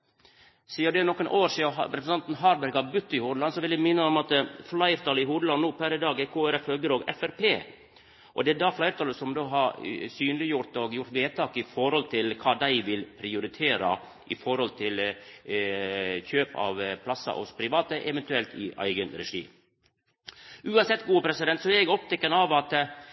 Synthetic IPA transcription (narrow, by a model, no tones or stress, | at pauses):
siːəɖ̪ɛnɔkːənʔoːɾsiːɑɾɛpsɑnt̪n̩ɦɑːɾbæɾɡɑbʉt̪ːɪhuːd̪əlɑnsɔʋɪld̪æmɪnːəɔmɑt̪flɑɪɾt̪ʰɑːləɪɦuːd̪əlɑnːuːpʰæɾɪd̪ɑːɡɛkʰoːæɾɛfhœɡəɾoːɡɛ̰fæɾpʰeː | ʔɔ̰d̪ɛæd̪ɑːflɑɪɾt̪ʰɑːləsɔmd̪oːɦɑɾsyːnəlɪjʊɾt̪ɔɡjʊɾʈ̪ʋeːt̪ʰɑːkɪfɔɾhɔlt̪ʰɪlkʰɑːd̪æɪʋɪlpʰɾɪʊɾɪt̪ʰeːɾɑ̰ | ʔɪfɔɾhɔlt̪ʰɪl | çøːpɑ̰ʋpʰlɑsɑ̰ʔɔ̰spʰɾɪʋɑːt̪əʔɛʋɛnt̪ʉɛlt̪ʰɪʔæ̰ɪɡənɾɛ̰ʂḭːm | ʉːɑnsɛt̪ːɡuːəpʰɾɛsɪd̪ɛnt̪sɔɛɾɛɡɔp̚t̪ʰɛkːənɑʋɑt̪